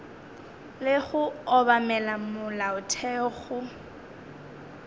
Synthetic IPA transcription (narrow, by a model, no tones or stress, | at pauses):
lɪɣʊɔbamɛlamʊlaʊtʰɛɣʊ